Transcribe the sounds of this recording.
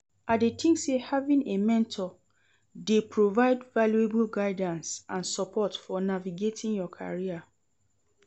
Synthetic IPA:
ʔadetʰĩŋsehavĩnemɛ̃ntʰɔ | depɹovaɪdvaljueblɡaɪdãnsãnsɔpʰɔtfɔnaviɡetʰĩnjɔkʰa̰ɹia

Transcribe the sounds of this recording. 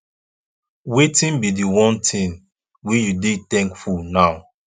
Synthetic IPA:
wetĩnbidiwɔ̃ntʰĩn | wijudetɛ̃ŋkfunaʊ

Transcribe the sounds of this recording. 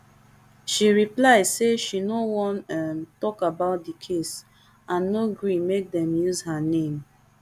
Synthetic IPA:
ʃiɹiplaɪdseʃinowɔ̃nɛmtɔkabaʊt̚dikʰes | ʔãnːoɡɹimek̚dɛ̃mjuzhanẽm

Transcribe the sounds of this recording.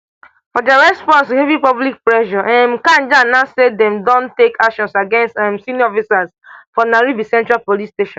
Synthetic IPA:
fɔdaɹɛspɔ̃nshɛvipɔblik̚pɹɛʃɔʔɛ̃mkãnd͡ʒanaʊsedɛ̃mdɔ̃ntekakʃɔ̃nsaɡɛ̃nstɛ̃msĩniɔfisas | fɔnaɹibisɛ̃ntɹapolisteʃɔ̃n

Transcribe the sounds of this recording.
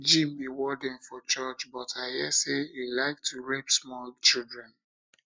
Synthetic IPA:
d͡ʒĩmbiwɔdɛ̃nfɔt͡ʃɔt͡ʃbɔtʰaɪhɛseilaɪk̚tʰuɹɛpsmɔlt͡ʃildɹɛ̃n

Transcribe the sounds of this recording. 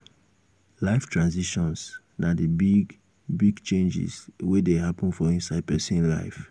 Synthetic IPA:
laɪftʰɹãnziʃɔ̃ns | nadəbiɡ | biɡt͡ʃẽnd͡ʒḭzwedeɦapə̃nfɔĩnsaɪd̚pɛsĩnla̰ɪf

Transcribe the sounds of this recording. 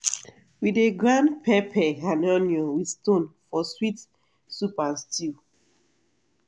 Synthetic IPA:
wideɡɹãndpʰɛpʰɛɦanɔnjɔ̃wi̥stõnfɔswit | supastʰi

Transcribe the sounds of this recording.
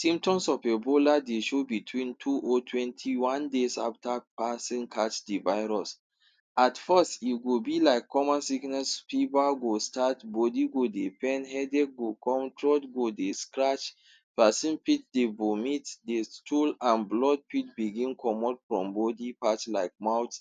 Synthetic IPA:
sĩmptɔ̃msɔfeboladeʃobitʰwĩntʰuʔotʰwɛ̃ntʰiwãndesaftapasĩnkʰat͡ʃdivaɪɹɔs | atfəstiɡobilaɪkːɔmasiknɛspibaɡostatbɔdiɡodepɛ̃nhɛdɛk̚ɡokɔ̃mtʰɹɔtɡodeskɹat͡ʃ | pasĩnpit̚debomitdestʰulãnblɔd̚pit̚biɡĩnkʰɔmɔtfɹɔ̰̃mbɔdipat͡ʃlaɪk̚mawt

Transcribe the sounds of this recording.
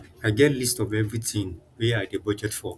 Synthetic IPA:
aɪɡɛtlistɔvɛvɹitʰĩŋwiaɪdebʌd͡ʒɛtfɔ

